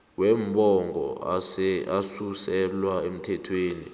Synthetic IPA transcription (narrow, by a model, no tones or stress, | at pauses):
wɛmbʱɔŋɡʱɔ̰ɛasusɛlwaem̩tʰɛtʰweːni